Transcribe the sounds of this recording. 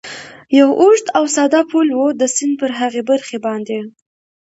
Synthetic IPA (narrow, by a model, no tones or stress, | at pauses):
jawʊʐt̪awsɑd̪ɑpʰulwud̪əsɪnd̪̚pəɾɦaɣebaɾxebɑnd̪e